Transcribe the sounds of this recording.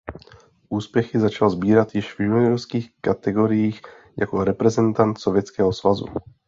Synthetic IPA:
ʔuːspjɛxɪzat͡ʃalzbiːɾat̪jɪʒvjuniɾɔskiːxkat̪ɛɡoɾijiːx | ja̰koɾɛpɾɛzɛnt̪ant̪sovjɛt͡skɛːɦɔsvazṵ

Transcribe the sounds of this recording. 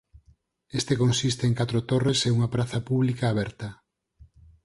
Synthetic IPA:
est̪ekonsist̪eeŋkat̪ɾot̪oreseuŋapɾaθɐpuβlikaːβɛɾt̪ɐ

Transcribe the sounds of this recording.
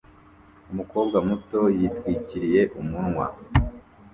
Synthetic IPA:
umuko̞ːb̚ɡamuto̞jitwiːciɾije̞ʔumunŋwa̰

